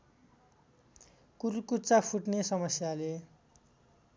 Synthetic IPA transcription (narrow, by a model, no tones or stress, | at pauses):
kuɾukut͡sapʰuʈnesʌmʌsjale